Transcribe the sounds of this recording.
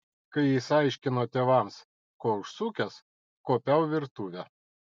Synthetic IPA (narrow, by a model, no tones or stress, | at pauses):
kɐɪɪsɑˑɪʃʲkʲɪnoːt̪ʲeːʋɐms | koːʊʃsuːkʲɛs | koːpʲæˑʊʋʲɪɾt̪uːʋʲɛ